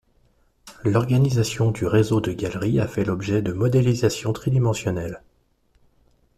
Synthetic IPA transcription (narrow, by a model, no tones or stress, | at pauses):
lɔʁɡanizasjɔ̃d̪yʁezod̪əɡalʁiafɛlɔbʒɛd̪əmɔd̪elizasjɔ̃t̪χid̪imɑ̃sjɔnɛl